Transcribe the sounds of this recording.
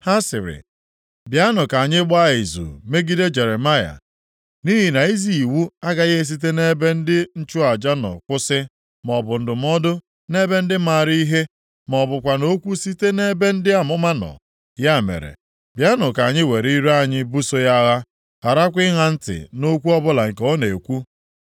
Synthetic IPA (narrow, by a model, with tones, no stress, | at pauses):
ha˦sɪ˨ɾɪ̰˨ | bja˦nʊ˨ka˨ɲɪ˦ɡ͡ba˦ɪ˨zṵ˨me˦ɡi˦de˦d͡ʒe˨ɾe˨ma˦ja̰˨ | ni˦ɦi˨na˨i˦zi˨i˨wu˦a˦ɡa˨ɣe˦e˦s̬i˦t̬e˦ne˦be˦n̩˦dɪ˦n̩˦t͡ʃu˦a˨d͡ʒa˦nɔ̰˨kʷʊ˦sɪ˦ | m˨ɔ˨bʊ˨n̩˨dʊ˨m˦ɔ˦dʊ˦ | ne˦be˦n̩˦dɪ˦ma˨ɾi˦i˦ɦe˦ | m˨ɔ˨bʊ˨kʷa˨no˦kʷu˦si˦te˦ne˦be˦n̩˦dɪ˦a˨mʊ˦ma˦nɔ̰˨ | ja˦˨mḛ˨ɾḛ˨ | bja˦nʊ˨ka˨ɲɪ˦we˨ɾi˦ɾu˦a˦˨ɲɪ˦bu˦so˦ja˦ɣa˦ | ɣa˨ɾa˦kʷɪ˦ɦa˦n̩˦tɪ̰˨no˦kʷu˦ɔ˦bʊ˦la˨ŋ̩˨ke˨o˦ne˨kʷu˦